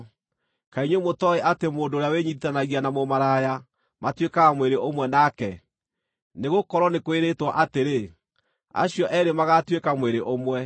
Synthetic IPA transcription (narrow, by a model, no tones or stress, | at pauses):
kaiɲwemotɔeʔatemoːndoːɾejaweɲiitanaɣianamomaɾaja | matwekamweɾeʔomwɛnakɛ | neɣokɔɾwɔnekoeɾetwaʔateɾe | a̰ɕiɔʔɛɾemaɣatwekamweɾeʔomwɛ